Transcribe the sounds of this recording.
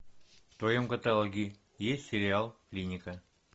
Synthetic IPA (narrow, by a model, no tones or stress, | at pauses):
ft̪ojomkət̪alˠoɡʲi | jesʲtʲsʲɪɾʲɪalˠklʲinʲikə